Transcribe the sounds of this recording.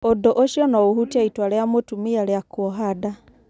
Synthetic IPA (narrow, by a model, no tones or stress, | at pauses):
odoʔoʃjɔnɔohutaitwaleamotumialeakwɔɦada